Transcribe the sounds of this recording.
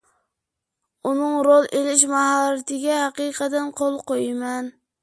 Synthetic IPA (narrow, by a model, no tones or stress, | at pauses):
unɨŋɾolˠelɪʃ̬mɑɦɑlːɪt̪ʰɪɡʲɛhæqɨjqʰəd̪ɨnqʰolˠqojmɛn